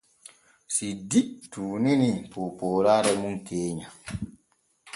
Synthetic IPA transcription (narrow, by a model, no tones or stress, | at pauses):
sidituːninipopoːɾaɾɛmunkʰeːɲa